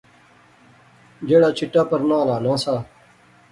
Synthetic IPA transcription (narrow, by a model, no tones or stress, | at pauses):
d͡ʒeːɽaːt͡ʃʰɪʈːaːpəɾnãːlaːnãːsaː